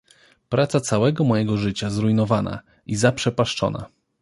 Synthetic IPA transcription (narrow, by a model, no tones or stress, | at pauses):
pɾʔat̪sat̪sawɛɡɔmɔjɛɡɔʐɘt͡ɕazɾujnɔvana̰ | izapʂɛpaʂt͡ʂɔ̰na̰